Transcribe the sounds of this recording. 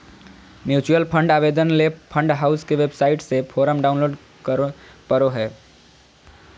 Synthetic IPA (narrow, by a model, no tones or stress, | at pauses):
mjut͡ʃujəlpʰə̃ɳɖabed̪ənlepʰə̃ɳɖɦaʊskeʋebsaɪʈsepʰoɾəmɖaʊnloːɖ | kkəɾoɦɛː